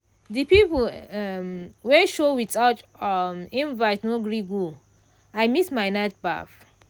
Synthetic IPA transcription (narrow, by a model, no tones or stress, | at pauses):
dipipmwɛʃowitatmĩnvaɪtnoɡɹiɡu | aɪmismaɪnat̚ba̰f